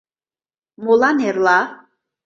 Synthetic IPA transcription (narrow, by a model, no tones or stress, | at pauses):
molanɛɾla